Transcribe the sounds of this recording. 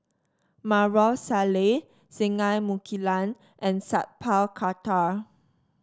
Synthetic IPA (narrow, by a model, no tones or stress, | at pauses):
maɹɔlsale | sĩŋajmukʰilãn | ʔɛ̃nsa̰t̚pʰalkʰata